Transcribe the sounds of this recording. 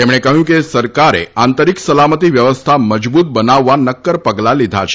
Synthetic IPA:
t̪emɽ̃ekəɦjũkesəɾkaɾḛant̪əɾiksəlamət̪iʋjəʋəst̪ʰaməd͡ʒbut̪̚bənaʋːanəkːəɾpəɡlalid̪ʱa̰t͡ʃʰe̥

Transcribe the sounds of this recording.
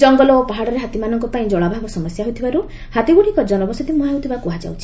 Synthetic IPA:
d͡ʒɔŋɡɔlɔpaɦaɽɔɾeɦat̪imanɔŋkɔpaĩd͡ʒɔɭabʱaɡɔsɔmɔsjaɦojt̪ʰibaɾu | hat̪ibuɽikɔd͡ʒɔnɔbɔsɔt̪imuɦewt̪ʰibakuɦad͡ʒa̰wt͡ʃʰi̥

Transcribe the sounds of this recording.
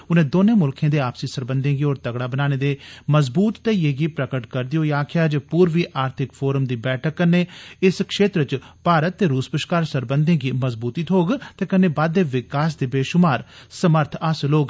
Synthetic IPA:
ʊnẽːd̪oːnẽːmʊlkʰẽːd̪eːaːpsiːsəɾbənd̪ẽːɡiːoːɾt̪əɡɽaːbənaːneːd̪eːməzbuːt̪ːeːjeːɡiːpɾəkəʈkəɾd̪ɪjoːijaːkʰɪjaːd͡ʒpuːɾʋiːʔaːɾt̪ʰɪkpʰoːɾəmd̪iːbɛːʈʰəkːənːeːɪskʃeːt̪ɾət͡ʃpaːɾət̪ːeːɾuːspəʃkaːɾsəɾbənd̪ẽːɡiːməzbuːt̪iːt̪ʰoːɡt̪eːkənːeːbaːd̪ːeːʋɪkaːs̬d̪eːbeːʃʊmaːɾsəməɾt̪ʰaːsloːɡ

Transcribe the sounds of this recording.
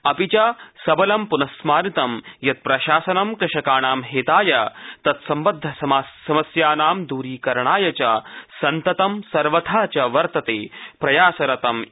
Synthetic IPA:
ɐpit͡ʃɐsɐbɐlɐmpunɐsmaːɾit̪ɐmjɐt̪̚pɾɐʃaːsɐnɐmkɾɪʃɐkaːnaːmɦeːt̪aːjɐt̪ɐt̪sɐmbɐd̪ʱːɐsɐsɐmɐsjaːnaːmd̪uːɾiːkɐɾɳaːjɐt͡ʃɐsɐnt̪ɐt̪ɐmsɐɾʋɐt̪ʰaːt͡ʃɐʋɐɾt̪ɐt̪eːpɾɐjaːsɐɾɐt̪ɐm

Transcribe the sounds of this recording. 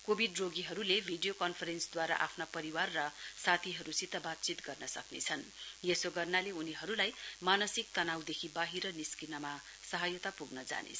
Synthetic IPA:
kobʱiɖroɡiɦʌɾulebʱiɖijokʌnpʰʌɾensd̪waɾa̰ʔapʰnapʌɾiwarːʌsat̪ʰiɦʌɾusit̪ʌbat̪̚t͡sit̪ɡʌrnʌsʌknḛt͡sʰʌnjesoɡʌrnaleuniɦʌɾulajmanʌsik̚t̪ʌnawd̪ekʰibaɦiɾʌniskinʌma | sʌɦajʌt̪apuɡnʌd͡za̰nḛ

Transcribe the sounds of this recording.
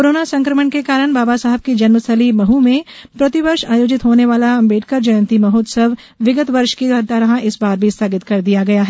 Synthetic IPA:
koɾoːnasɐ̃ŋkɾəməɳkekaːɾəɽ̃baːbasaɦɛb̚kid͡ʒɐnməsʰəlimɐɦumẽpɾɐt̪ɪʋɐɾʃaːjoːd͡ʒɪt̪ɦoːneʋaːlaɐ̃mbeːʈ̚kəɾd͡ʒɐjə̃nt̪imɐɦoːd̪səʋ | ʋɪɡət̪ʋɐɾʃkiɐd̪aːɾɦãʔɪsbaːɾbʱist̪ʰaːɡɪt̪kɐɾd̪ijaɡɐjaɦɛː

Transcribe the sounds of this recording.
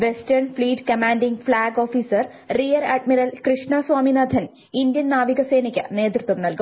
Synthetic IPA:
ʋestɐrnfliːʈkɐmaːnɖiŋflaːɡo̞ːfiːsɐr | rijɐɾaɖmiɾɐlkrɨʂɳɐsʋaːminɐd̪ʱɐn | ind̪jɐnnaːʋiɣɐse̞ːnikʲːɐ̰ne̞ːt̪ɾut̪ʋɐmnɐlku

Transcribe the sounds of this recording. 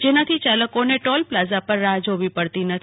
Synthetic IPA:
d͡ʒenat̪ʰit͡ʃaləkoneʈɔlplazapəɾːãd͡ʒoʋipəɽt̪inət̪ʰ

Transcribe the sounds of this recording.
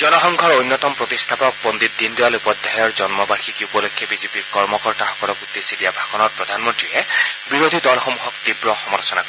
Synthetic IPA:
zɔnɔxɔŋɡʱɔɹojnːɔt̪ɔmpɹɔt̪ist̪ʰapɔk̚bɔnd̪it̪̚d̪indiwalupɔd̪ʱːajɔɹzɔnmɔbaɹxikiupɔlokʰːjɔbizepiɹkɔɹmɔkɔɹtaxɔ̥kɔlɔkud̪ːesidijabʱakɔnɔɹpɹɔd̪ʱanmɔntɹiɛ | biɹod̪ʱidɔlxɔmuɦɔk̚t̪ibɹɔxɔmɔlsɔnak

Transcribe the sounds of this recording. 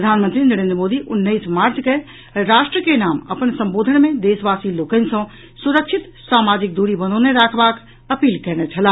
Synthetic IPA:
pɾəd̪ʱaːnmənt̪ɾinəɾẽːnd̪ɾəmoːd̪iʔʊnːəɪsmaːɾt͡ʃke | ɾaːʃʈɾəkenaːmə̰pənsə̃mboːd̪ʱənmẽd̪eːsʋaːsiloːkənsə̃ | suɾəkʃʰɪt̪ | saːmaːd͡ʒɪk̚d̪uːɾibənõneɾaːkʰbaːk | əpiːlkɛɦnɛt͡ʃʰɐla

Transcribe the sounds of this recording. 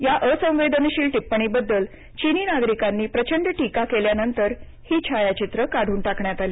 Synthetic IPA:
jaʔəsə̃w̃ʋed̪ənɕiːlʈipːəɳ̃iːbəd̪ːəl | t͡ɕiniːnaɡɾikanːiːpɾət͡ɕəɳɖəʈikakeljanənt̪əɾ | hiːt͡ɕʰajat͡ɕit̪ɾəkaɽ̤ʱuːnʈakɳjat̪aliː

